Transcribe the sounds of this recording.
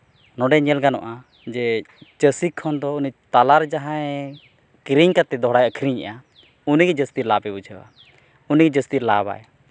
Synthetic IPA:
nɔɖɛɲɛlɡanɔ̰ʔa | d͡ʒɛt͡ʃəsikʰːɔnd̪ɔunit̪alaɾd͡ʒaɦãɛ | kɾiɲkat̪ɛd̪ɔɦɽajəkʰɾiɲɛ̰ʔa | uniɡɛd͡ʒəst̪iɾlapɛbut͡ʃʰɛwa̰ | uniɡɛd͡ʒəst̪iɾlaba̰j

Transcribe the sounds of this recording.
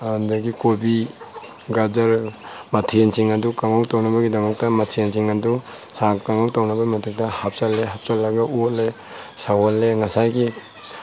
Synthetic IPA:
andaɡikobi | ɡazaɾmatʰiensiŋɐdukaŋawtawnabɐɡidɐmɐk̚tɐmatʰiensiŋɐdu | sakkaŋawtawnabɐmatek̚dɐhap̚t͡ʃalːeɦap̚t͡ʃalːɐɡɐule | sawɔlːeŋasajɡi

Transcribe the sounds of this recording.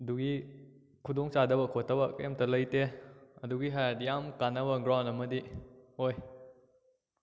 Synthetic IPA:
ɐduɡi | kʰudɔŋt͡ʃadɐbɐkʰotːɐbɐkemtɐlɐjteɐduɡiɦadijamkanɐbɐɡɾawndɐmɐdihoj

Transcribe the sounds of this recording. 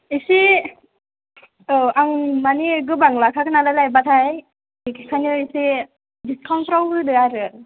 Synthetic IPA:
isi | aŋmaneɡɯbaŋlakʰakʰɯnalalajbat̪ʰaj | ikʰkʰanɯisi | diskʰɔnpʰɾɔlɯdɯaɾɯ

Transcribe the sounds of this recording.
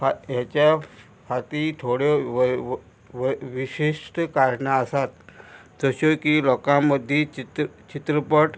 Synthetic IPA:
fajat͡ɕja | fat̪it̪ʰoɽe | ʋʋiɕiʂʈkaɾɳaəsat̪ | d͡zəɕokilɔkãməd̪ʱːit͡ɕt͡ɕit̪ɾəpəʈ

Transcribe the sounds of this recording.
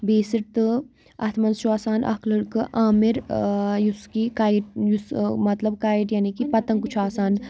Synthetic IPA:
beːsiɾt̪ɨ | ɐt̪ʰmɐnt͡ʃʰuaːsaːnʔɐ̰kʰlɨɽkɨʔaːmiɾjuskikaːʈjusmɐt̪lɐbkaːiʈjaːnikipɐt̪ɐŋkut͡ʃʰuaːsaːn

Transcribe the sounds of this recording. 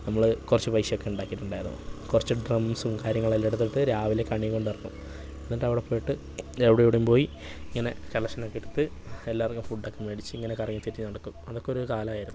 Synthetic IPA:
nɐmːɐɭkurɐt͡ɕːupɐjɕɐjo̞kːe̞uɳɖaːkːiʈːuɳɖaːjɾɐno̰kurɐt͡ɕːɨɖrɐmsumkaːɾjɐŋːɐɭɐlːeɽut̪ːiʈːɨɾaːʋilekːaɳikːo̞ɳɖɐrinːṵ | nːɐdeɐʋiɽepːoːjiʈːɨ | eʋɽejuɽumpo̞ːji | iŋːɐne̞kɐlɐʂɐnokːiɽut̪ːɨelːaːrɐŋːumfuɖːokːemeɽit͡ɕːɨiŋːɐnekɐrɐŋːit̪itːinɐɽɐkːumɐðo̞kːeo̞ɾukaːlɐmaːjiɾunːu

